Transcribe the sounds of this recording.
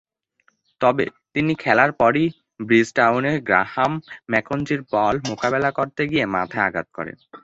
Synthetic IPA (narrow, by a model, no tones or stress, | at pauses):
t̪ɔbḛt̪inikʰɛlaɾpɔɾi | bɾisʈawneɾɡɾa̰hamːɛkond͡ʑiɾpɔlmokabelakoɾt̪eɡiema̰t̪ʰaaɡa̰t̪̚kɔ̰ɾḛn